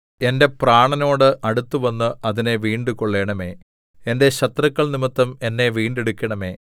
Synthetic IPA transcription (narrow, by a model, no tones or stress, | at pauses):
e̞nde̞praːɳɐno̞ːɽɨʔɐɽut̪ːuʋɐnːɨʔɐðine̞ʋiːɳɖuko̞ɭːe̞ːɳɐme̞ː | ende̞ɕɐt̪rɐkːɐɭnimɐt̪ːɐme̞nːe̞ʋiːɳɖeɽukʲːɐɳɐme̞ː